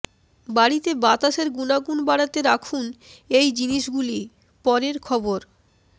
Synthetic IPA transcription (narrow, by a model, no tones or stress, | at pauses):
baɽit̪ebat̪aʃeɾɡunaɡunbaɽat̪eɾakʰunejd͡ʑiniʃɡuli | pɔɾeɾkʰɔboɾ